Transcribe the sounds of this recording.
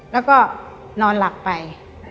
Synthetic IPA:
lɛː˦˥wkɔː˥˩ | nɔː˧nla˨˩k̚pa˧j

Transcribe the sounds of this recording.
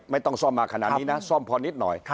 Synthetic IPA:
ma˥˩jt̪ɔ˥˩ŋsɔː˥˩mːaː˧kʰa˧na̰˨ʔiː˦˥na˦˥sɔ˥˩mpʰɔː˧ni˦˥t̪̚nɔ̰˨˩j

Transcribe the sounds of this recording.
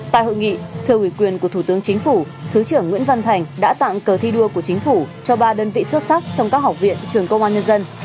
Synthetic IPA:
t̪a̰ː˧˨jho̰˧˨jŋḭ˧˨t̪ʰɨ˧əwi˧˩kwi˨˩ənku˧˩ət̪ʰt̪ɨ˨˦əŋt͡ɕï˨˦ŋ̟fu˧˩ | t̪ʰɨ˨˦t͡ɕɨ˧˩əŋːwḭ˧˥ənva˧nt̪ʰa˨˩jŋ̟ɗa̰ː˧˥t̪a̰ː˧˨ŋkəː˨˩t̪ʰi˧ɗu˧əku˧˩ət͡ɕi˨˦ŋ̟fu˧˩t͡ɕɔ˧ɓaː˧ɗəː˧nvḭ˧˨swə˦˥t̚sa˦˥k̚t͡ɕɔ˧wŋ͡mkaː˦˥k̚ɦa˨˩wk͡p̚vḭ˧˨ənt͡ɕɨ˨˩əŋkə˧wŋ͡mʔaː˧ɲə˧nzə˧n

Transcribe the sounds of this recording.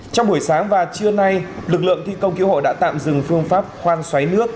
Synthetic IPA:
t͡ɕɔ˧wŋ͡mɓu˧˩əjsaː˨˦ŋvaː˨˩t͡ɕɨ˧əna˧jlɨ˨˩k̚lɨ̰˧˨əŋt̪ʰi˧kə˧wŋ͡mki˨˦who̰˧˨ɗa̰ː˧˥t̪a̰ː˧˨mzɨ˨˩ŋfɨ˧əŋfaː˦˥p̚xwaː˧nswa˨˦jnɨ˦˥ək̚

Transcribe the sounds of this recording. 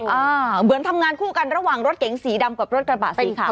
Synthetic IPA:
ʔaː˧mɯ˨˩˦ənt̪ʰa˧mŋaː˧nkʰuː˥˩ka˧nɾa˧waː˨˩ŋɾo˦˥t̪̚ke˨˩˦ŋsiː˩˦da˧mka˨˩p̚ɾo˦˥t̪̚kɾa˧baː˨˩iː˨˩˦kʰa˦˩˧

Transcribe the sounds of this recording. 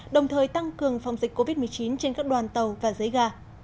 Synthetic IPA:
ɗə˨˩wŋ͡mt̪ʰəː˨˩jt̪a˧ŋkɨ˨˩əŋfa˨˩wŋ͡mzi˨˩k̟kːo˧vi˦˥t̚mɨ˨˩əjt͡ɕi˨˦nt͡ɕe˧nkaː˦˥k̚ɗwaː˨˩nt̪ə˨˩wvaː˨˩zə˨˦jɣaː˧

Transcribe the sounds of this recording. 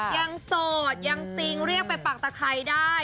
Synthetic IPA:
ja˧ŋsoː˨˩t̪̚ja˧ŋsi˧˦ŋɾi˥˩ək̚pa˧npa˨˩k̚t̪a˧kʰa˨˦˥jdaː˥˩j

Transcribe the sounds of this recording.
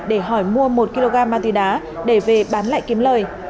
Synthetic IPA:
ɗe˧˩ɦɔ˧˩jmu˧əmo˨˩t̚ki˧lo˧ɣaː˧mːaː˧t̪i˨˧˩ɗaː˨˦ | ɗe˧˩ve˨˩ɓaː˨˦nla̰ː˧˨jki˨˦əmləː˨˩j

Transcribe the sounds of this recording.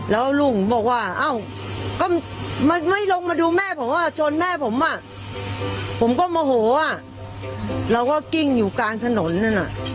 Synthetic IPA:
lɛː˦˥wlu˧˩ŋbɔː˨˩k̚waː˧˥˩ʔa˧˥˩w | kɔː˥˩ma˧˩ma˥˩jlo˧ŋmaː˧duː˧mɛː˥˩pʰo˨˩˦maː˧˥˩t͡ɕʰo˧nmɛː˥˩pʰo˩˦mʔa˨˩ | pʰo˩˦mkɔː˥˩maː˧ɦoː˨˦ʔa˧˩ | ɾa˧wkɔː˥˩ki˥˩ŋjuː˨˩kaː˧nt̪ʰa˧no˩˦nːa˥˩na˨˩ʔ

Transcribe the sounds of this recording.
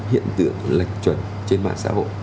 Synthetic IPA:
hḭ˧˨ənt̪ɨ̰˧˨əŋla˨˩jŋ̟̚t͡ɕwə˨˩n | t͡ɕe˧nma̰ː˧˨nsa̰ː˧˥ɦo̰˧˨j

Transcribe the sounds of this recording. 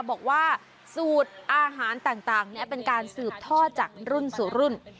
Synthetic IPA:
bɔː˨˩k̚waː˥˩ | suː˨˩t̪̚ʔaː˧ɦaː˩˦nt̪aː˨˩ŋt̪aː˨˩ŋni˦˥ɐpe˧nkaː˧nsɯː˨˩p̚t̪ʰɔː˥˩t̪̚t͡ɕaː˨˩k̚ɾu˥˩nsuː˨˩˦ɾu˥˩n

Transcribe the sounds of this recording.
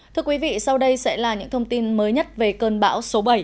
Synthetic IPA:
t̪ʰɨ˧əkwi˨˦vḭ˧˨sa˧wɗə˧jsɛ̰˧˥laː˨˩ɲɨ̰˧˥ŋt̪ʰə˧wŋ͡mt̪i˧nməː˨˦jɲə˦˥t̚ve˨˩kəː˧˩nɓa̰ː˧˥wso˨˦ɓa˨˩j

